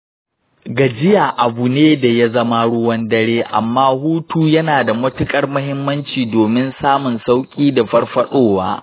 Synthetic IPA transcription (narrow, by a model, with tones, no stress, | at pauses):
ɡa˨d͡ʒɪ˦ja˨ʔa˨bu˨neː˦da˨ja˦zɐ˦ma˦ɽʊ˦wɐ˦ndɐ˦ɽeː˦ʔa̰˨mːaː˦huː˦tuː˦jɐ˦naː˨da˨mʊ˦tʊ˦kʼɐ˨rmʊ˦hɪ˦mːɐ˦nt͡ʃiː˨doː˨mɪ˦nsaː˦mʊ˨nsa˦wkʲʼiː˦da˨ɸɐ˦rɸɐ˦ɗoː˦waː˦